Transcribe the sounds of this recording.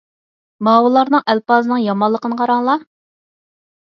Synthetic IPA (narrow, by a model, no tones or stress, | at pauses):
mɑːwɨlˠɑɾnɨŋʔælpɑːzɨnɨŋjɑmɑlˠːəqənəqʰɑɾɑŋlˠɑ